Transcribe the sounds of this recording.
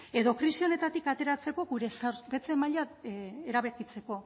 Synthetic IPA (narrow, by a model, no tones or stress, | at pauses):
e̞ðo̞kɾisio̞ne̞t̪at̪ikat̪e̞ɾat͡se̞ko̞ɣuɾe̞saɾpe̞t͡se̞maʎaeɾaβe̞kit͡se̞ko̞